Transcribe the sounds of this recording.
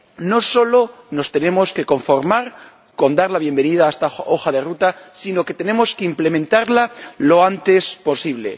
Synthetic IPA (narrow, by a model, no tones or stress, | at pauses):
no̞so̞lo̞no̞st̪e̞ne̞mo̞ske̞ko̞ɱfo̞ɾmaɾ | ko̞nd̪aɾlaβje̞mbe̞nið̞aest̪ao̞xaðe̞rut̪asino̞ke̞t̪e̞nẽ̞mo̞skeimple̞mẽnt̪aɾlalo̞ant̪e̞spo̞siβ̞le̞̰